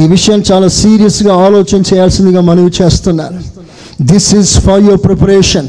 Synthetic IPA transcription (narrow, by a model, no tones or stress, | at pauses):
iːʋiʂɐjaːnit͡ʃaːlaːsiːɾijɐsɡaːaːloːt͡ʃɐnɐt͡ʃɛːjaːlsind̪iɡaːmɐnɐʋit͡ʃe̞ːst̪unːaːɾu | d̪isizfɐɾjoɾpɾepɐɾeːʃɐn